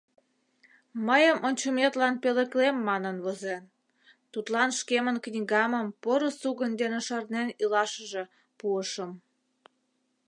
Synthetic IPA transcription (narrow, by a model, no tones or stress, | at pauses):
məjəmʔonʲt͡ɕumet̪lɑnpeləklemːɑnənβozen | t̪ut̪lɑnʃkemənknʲiɣɑməmpoɾosuɣənd̪eneʃɑrnenilɑʃəʒe̽ | puəʃəm